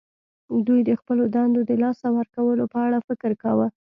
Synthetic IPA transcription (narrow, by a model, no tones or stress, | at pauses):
d̪ujd̪əxpəlod̪ɑnd̪od̪əlɑsawəɾkawəlopəaɽafɪkɾkawə